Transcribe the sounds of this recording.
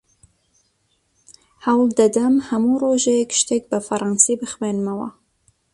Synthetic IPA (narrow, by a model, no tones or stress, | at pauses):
hawld̪ɐd̪ɐmhɐmuroʒɛjɛkʃt̪eːk̚bæfɐɾˤɑːnsibɨxmeːnmɐwɐ̰